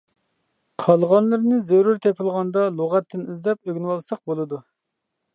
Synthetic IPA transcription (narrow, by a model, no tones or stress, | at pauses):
qʰɑlˠʁɑnlˠɨɾnɨzøɾuɾt̪ʰɛpʰɪlˠʁɑnd̪ɑlˠoʁɛt̪ʰːɪnizd̪ɛpøɡʲnwɑlˠsɑq̚bolˠɨd̪u